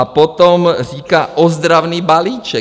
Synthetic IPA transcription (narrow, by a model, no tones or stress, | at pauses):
apɔt̪ɔmɾiːkaʔɔzd̪ɾaʊniːbaliːt͡ʃɛ